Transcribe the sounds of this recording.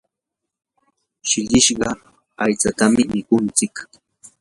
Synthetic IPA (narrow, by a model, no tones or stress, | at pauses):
ʃɪʎɪʃɢɑ | ajt͡sat̪amɪmɪkʊnt͡sɪk